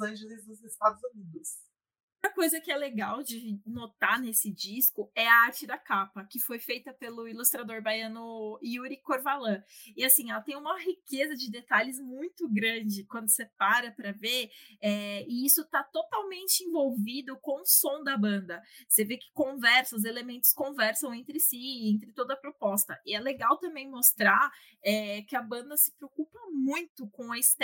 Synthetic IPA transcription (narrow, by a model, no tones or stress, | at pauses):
ɐ̃ʒelɪzd̪ʊzɪst̪ad̪ʊzunid̪ʊs | ũmɐkojzɐkɪɛleɡawd͡ʒɪnot̪anesɪd͡ʒiskʊɛɐaɾt͡ʃɪd̪ɐkapɐkɪfojfejt̪ɐpelʊilust̪ɾad̪oɾbajɐ̃nʊiuɾikoɾvalɐ̃ɪasĩɛlɐt̪ẽj̃ũmɐhikezɐd͡ʒɪd̪et̪aʎɪzmũj̃t̪ʊɡɾɐ̃d͡ʒɪkwɐ̃nd̪ʊsepaɾɐpɾɐveɛɪisʊt̪at̪ot̪awmẽnt͡ʃɪĩvowvid̪ʊkõsõd̪ɐbɐ̃nd̪ɐsevekɪ̥kõvɛɾsɐʊzelemẽnt̪ʊ̥skõvɛɾsɐ̃w̃ẽnt̪ɾɪsiẽnt̪ɾɪt̪od̪ɐpɾopɔst̪ɐʔɪɛleɡawt̪ɐ̃mbẽj̃most̪ɾaɾ | ɛkɪɐbɐ̃nd̪ɐsɪ̥pɾeokupɐmũj̃t̪ʊkões